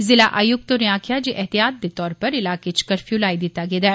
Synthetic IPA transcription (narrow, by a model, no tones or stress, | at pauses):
zɪlaʔajʊk̚t̪oɾiaːkʰjad͡ʒeʔɛɦt̪ijaːt̪̚b̪it̪ɔːɾpɐɾɪlaːket͡ʃkɐɾfjuːlaːid̪it̪aɡed̪ɛː